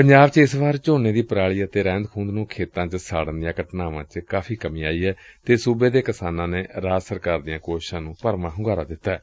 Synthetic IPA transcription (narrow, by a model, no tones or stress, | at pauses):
pəɲd͡ʒaːbt͡ʃɪsʋaːɾt͡ʃoːneːd̪iːpəɾaːɭiːət̪eːɾɛ̃ːnd̪kʰũːnd̪nũːkʰeːt̪ãːt͡ʃəsaːɽənd̪ɪjãːkəʈnaːʋãːt͡ʃkaːfʰiːkəmĩːaːiːɦɛːt̪eːsuːbeːd̪eːkɪsaːnãːneːɾaːd̪səɾkaːɾd̪ɪjãːkoːʃɪʃãːnũːpəɾmãːɦʊŋɡaːɾaːd̪ɪt̪ːaɛː